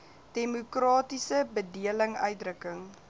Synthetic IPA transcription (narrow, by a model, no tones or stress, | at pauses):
d̥ɛmukrɑːtisəbədiələŋœ̰ɥt̚drəkəŋ